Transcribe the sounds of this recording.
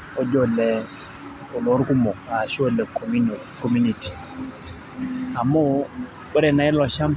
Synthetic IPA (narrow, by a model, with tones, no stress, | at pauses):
ɔ˨d͡ʒɔ˦˨lɛ˨˦ | o˨lɔ˦ɾku˦mɔ˨a˨ʃo˦lɛ˨ | ko˨mu˦ni˨ti̥˨ | a˨mo˦ | bə˦ɾɛ˨na˨ɪ˦lɔ˨ʃa˦m